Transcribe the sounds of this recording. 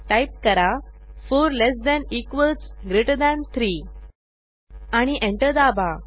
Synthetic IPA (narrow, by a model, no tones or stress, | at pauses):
ʈajp̚kəɾafoɾlesd̪ɛ̃nikʋəlsɡɾeʈd̪ɛ̃nt̪ʰɾiː | aɽ̃iʔẽɳʈəɾd̪aba